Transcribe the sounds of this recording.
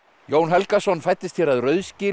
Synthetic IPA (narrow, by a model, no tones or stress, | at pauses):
joːwnɦɛlkasɔnːfajt̪ːɪst̪çjɛɾaðrœːɥðscɪː